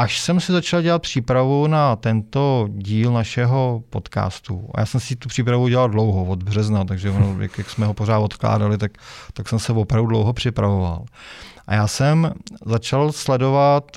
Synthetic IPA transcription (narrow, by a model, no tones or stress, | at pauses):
ʔaʃsɛmsɪzat͡ʃalɟɛlat̪̚pr̝̥iːpɾavunat̪ɛnt̪o̞ɟiːlnaʃɛɦo̞po̞t̪ka̰ːst̪uʔa̰ja̰ːsɛmsɪt̪upr̥iːpɾavuɟɛlaldlo̞wɦovo̞d̪br̝ɛznat̪aɡʒɛvonoja̰kjaksmɛɦoporaːt̪o̞t̪kla̰ːdalɪt̪akt̪aksɛmsɛvopɾavdudlowɦo̞pr̝̥ɪpɾavova̰lʔa̰jaːsɛmzat͡ʃalslɛdo̞vat̪